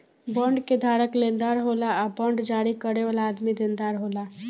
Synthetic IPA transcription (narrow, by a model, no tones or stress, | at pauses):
bəɳɖked̪ʱaɾəklend̪aɾɦolaːbəɳɖd͡ʒaɾikəɾeʋalaːd̪mid̪end̪aɾɦola